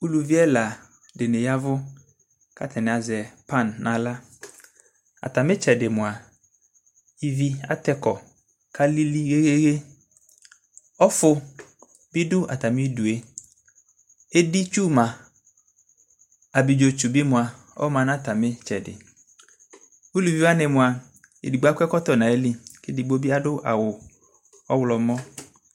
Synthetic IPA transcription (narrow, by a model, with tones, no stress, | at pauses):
u˦lu˨vi˦ɛ˦la˨ | dɪ˨nɪ̃˨ja˦vʊ˦ | kʰa̰˨t̪ʰɛ˨nɪ̃˨a˨zɛ˨pa˦˨nːʔã˨la˦ | a̰˨ta˨mɪ̃˦t͡ʃɛ˨dɪ˨mʊ̃˨a˨ | i˦vi˦a̰˦tɛ˦kɔ˨ | kʰa˦li˦li˦ɣe˦ɣe˦ɣe˦ | ɔ˦fʊ˦ | bɪ˦dʊ˦a̰˨ta˨mɪ̃˦du˨e˦ | e˦di˦t͡ʃu˦mã˨ | a˨bi˨d͡ʒo˨t͡ʃu˨bi˦mʊ̃˨a˨ | ɔ̰˦mã˨nã˦t̪a˨me˦t͡ʃɛ˨dɪ̰˨ | u˦lu˨vi˦a˦nɛ˨mʊ̃˨a˨ | ḭ˨di˨ɡ͡ba˦kɛ˦kɔ˦t̪ɔ˨nã˨e˦li˦ke˦di˨bo˦bi˦a˦dʊ˦ʔa̰˨wʊ˨ | ɔ˦wlɔ˨mɔ̃˦